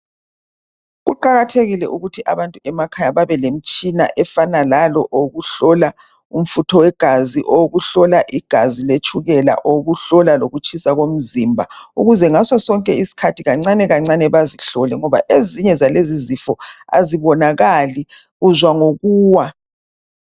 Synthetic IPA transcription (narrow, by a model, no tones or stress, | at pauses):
ɣuǃaɣatʰeɣilɛʔuɣutʰiʔaβantʼuɛmakʰajaβaβɛlem̩t͡ʃʼina̰ʔɛfanalalɔʔoɣuɬɔla | um̩futʰɔwɛɡ̥ʱaziʔɔɣuɬɔlaʔiɡ̥ʱazilet͡ʃʰʼuɣɛla̰ʔoɣuɬɔlaloɣut͡ʃʼʰisaɣom̩zimbʱauɣuzɛŋasɔsɔŋkʼɛisi̥kʰatʰiɣaŋ͡ǀanɛɣaŋ͡ǀanɛβaziɬɔlɛŋɔβa̰ʔeziɲɛzalezizifɔa̰ziβɔnaɣali | ɣuzwaŋoɣuːwa